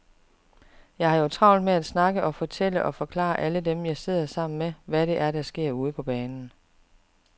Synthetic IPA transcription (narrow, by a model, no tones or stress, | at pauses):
jɑ̈ɪhɑ̈jo̝t͡sʰʁɑ̈ʊnd̥meæd̥snɑ̈ɡ̥əʔɒ̽fɒ̽t͡sʰel̰əʔɒ̽fɒ̽kʰlɑ̰̈ːʔælədemjɑ̈ɪse̝ð̞̰ˠɐsɑ̈m̰n̩meʋæɾe̝ʔæɐɾ̥æsɡ̥e̝ɐ̰uːð̞̩ˠpʰɒ̽b̥ɛːnn̩